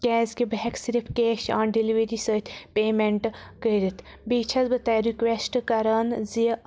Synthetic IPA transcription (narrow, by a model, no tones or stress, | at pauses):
kɛːzkebɐɦɛkʰsiɾipʰkeːʃaːnɖiliʋeɾisət̪ʰpeːmeɳʈkəiɾit̪ʰ | biːt͡ʃʰɐzbət̪aːjɾikʋesʈkɐɾɐnzi